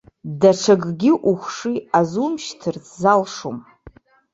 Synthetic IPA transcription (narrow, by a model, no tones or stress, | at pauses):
daʈ͡ʂʰaɡɡʲɪʔuχʷʂiazumʃtʰɨrt͡sʰʼzalʂom